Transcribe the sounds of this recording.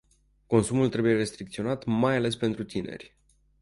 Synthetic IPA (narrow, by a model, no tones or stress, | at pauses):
ko̞nsumult̪ɾe̞buje̞ɾe̞st̪ɾik̚t̪sio̞nat̪majale̞spe̞nt̪ɾut̪ine̞̰rʲ